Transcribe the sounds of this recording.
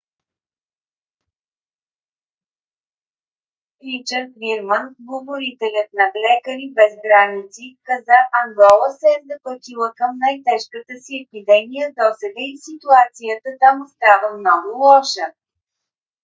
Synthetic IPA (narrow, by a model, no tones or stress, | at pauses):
ɾit͡ʃəɾt̪viɾmənɡlovoɾit̪ɛlʲət̪̚nɐblɛkəɾibɛzɡɾanit̪sikəzaʔɐnɡɔlˠəsɛzɐplˠət̪ilˠəkəmnajt̪ɛʃkət̪əsiɛpid̪ɛmijəd̪ɔsɛd̪əisit̪uat̪sijət̪ət̪amst̪avəmnɔɡʊlˠɔʃə